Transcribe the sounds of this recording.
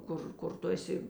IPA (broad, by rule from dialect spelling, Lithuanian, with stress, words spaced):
ˈkʊr kʊr ˈtʊ ɛˈsʲɪ